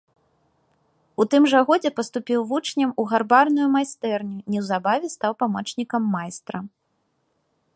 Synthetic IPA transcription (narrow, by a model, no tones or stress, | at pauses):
ut̪ɨmʐɐɣɔd͡zʲɛpɐst̪upʲiwvut͡ʂnʲɐmuɣarbarnujumajst̪ɛrnʲunʲɛwzabavʲɛst̪awpamɔt͡ʂnʲikɐmːajst̪ɾɐ